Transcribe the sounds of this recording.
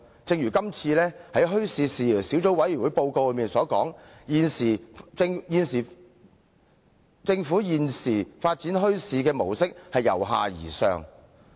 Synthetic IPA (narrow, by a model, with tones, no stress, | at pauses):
t͡sɪ˧ŋjyː˨˩kɐ˥mt͡sʰiː˧lɛː˥hɐ˨˥jɦɵ˥ɥsiː˨˧siː˨˩siː˨˥wt͡so˨˥wɐ˨˥jy˨˩wu˨˥jpo˧wko˧wlœ˨˧jmiː˨˩nsɔː˨˥kɔː˨˥ŋjiː˨nsiː˨˩˧ŋjiː˨˧nsiː˨˩ | t͡sɪ˧ŋfuː˨˥jiː˨nsiː˨˩faː˧t̚t͡siː˨˥nɦɵ˥ɥsiː˧kɛː˧mo˨˩wsɪ˥k̚hɐ˨jːɐ˨˩wɦa̰ː˨jḭː˨˩sœː˨˧ŋ